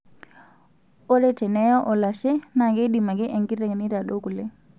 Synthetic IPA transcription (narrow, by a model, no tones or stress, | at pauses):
ɔɾɛtɛnɛjɔʔɔlaʃɛnaɡeɗimaɡɛʔeŋɡiɾeŋniɾaɗoɡulɛ